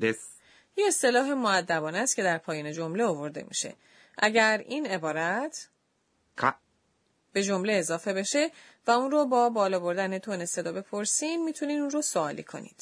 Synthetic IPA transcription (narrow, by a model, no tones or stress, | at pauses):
e | jeest̪e̞lɒːɦe̞moæd̪ːæbɒːnæst̪cʰe̞d̪æɾpʰɒːjɒːne̞d͡ʒo̞mleovo̞ɾd̪e̞̰mḭːʃe̞̰ | ʔæɟæɾiːne̞bɒːɾæt̪ʰ | kʰ | b̥e̞d͡ʒo̞mle̞ːzɒːfe̞be̞ʃe̞ | væunɾobɒːbɒːlɒːbo̞ɾd̪æne̞t̪ʰonese̞d̪ɒbe̞pʰo̞ɾsiːmmiːt̪ʰuniːunrosoɒːlḭkʰo̞̰nḭd̪̥